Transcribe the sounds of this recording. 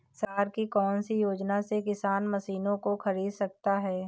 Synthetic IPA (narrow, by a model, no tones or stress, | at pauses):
saːɾkikɔːnsijoːd͡ʒnasekɪsaːnmɐsiːnõkoxɐɾiːd̪sɐk̚t̪aɦɛː